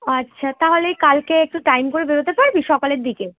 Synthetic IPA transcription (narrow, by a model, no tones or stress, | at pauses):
ɐtːɕʰat̪aɦolejkalkeek̚ʈuʈajmkoɾebeɾot̪epaɾbʱiʃɔkoleɾd̪ike